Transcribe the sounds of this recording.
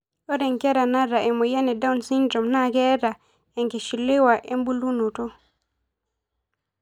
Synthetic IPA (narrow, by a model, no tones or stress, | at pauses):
ʔɔdɛŋkɛɾanaɾaʔɛmɔjanɛdawnsind͡ʒɔmnaɡɛɾa | ɛŋkɛʃilːɛwaʔɛmbulunɔtɔ